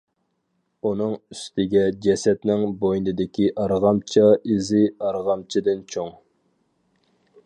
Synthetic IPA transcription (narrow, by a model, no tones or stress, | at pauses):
unɨŋyst̪ʰɪɡʲɛd͡ʒɛsɛt̪nɪŋbojnɨd̪ɪkʲʰiʔɑɾʁɑmt͡ʃʰɑizɪɑɾʁɑmt͡ʃʰid̪ɪnt͡ʃʰoŋ